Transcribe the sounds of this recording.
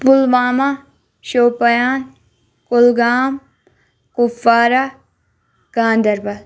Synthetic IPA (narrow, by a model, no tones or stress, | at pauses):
pʊlʋaːma | ʃoːpɐjaːn | kʊlɡaːm | kufaːɾa | ɡ̥ãːnd̪ɐɾbɐl